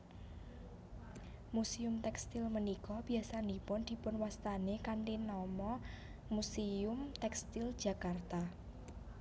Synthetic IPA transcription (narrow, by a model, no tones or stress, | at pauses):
musiʊmt̪ɛkst̪ɪlmənikɔb̥iasand̪ipʊnd̪̥i̤pʊnwast̪anekaɳʈinɔmɔ | museʊmt̪ɛkst̪ɪld̥ʒ̥a̤kart̪a